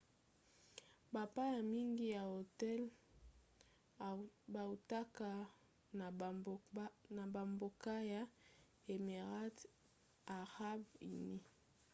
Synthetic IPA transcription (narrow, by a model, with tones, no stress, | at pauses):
ba˨pa˦ja˨mi˦ŋɡi˦ja˨o˨tɛ˦l | ba˨u˨ta˦ka˦˨ | na˨ba˨mbo˨ka˦ja˨ | e˨me˨ʁa˦t | a˨ʁa˦bḭ˨ni˦